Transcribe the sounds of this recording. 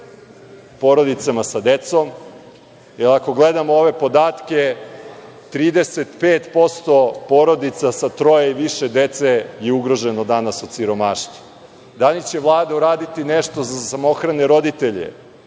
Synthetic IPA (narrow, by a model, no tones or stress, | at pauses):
po̞ɾo̞d̪it̪samasad̪et̪so̞m | jelako̞ɡle̞d̪amooʋe̞po̞d̪aːt̪ke̞ | t̪ɾiːd̪eset̪peːt̪po̞st̪o̞po̞ɾo̞d̪it̪sasat̪ɾo̞jeiʋiʃed̪e̞t̪sejeuɡɾo̞ʒenod̪anasosiɾo̞maʃt̪u | d̪anit͡ɕe̞ʋlˠaːd̪auɾaːd̪it̪ineʃt̪o̞zasamo̞xɾaneɾo̞d̪it̪e̞ʎḛ